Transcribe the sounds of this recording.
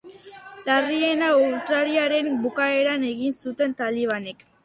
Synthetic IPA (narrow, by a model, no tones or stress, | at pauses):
larie̞nawlt̪ɾaɾiaɾe̞mbukae̞ɾane̞ɣinsut̪e̞nt̪aliβ̞ane̞k